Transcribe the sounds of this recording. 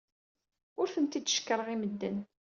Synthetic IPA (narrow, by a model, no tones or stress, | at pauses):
ʊɾθənt̪id̪ə̥ʃkːəɾˤəʁiməd̪ːən